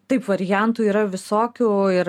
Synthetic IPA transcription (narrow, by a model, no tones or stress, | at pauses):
t̪ɐɪpʋɐɾʲɪjɛnt̪uːiːɾɐʋʲɪsoːkʲuːɪɾ